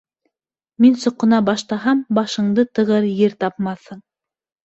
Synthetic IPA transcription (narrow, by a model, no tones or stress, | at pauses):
minsŏqːɤ̆nɑbɑʃt̪ɑɦɑmbɑʃɤ̆ɴd̪ɤt̪ɤ̆ʁɤɾjɘɾt̪ɑpmɑθhɤm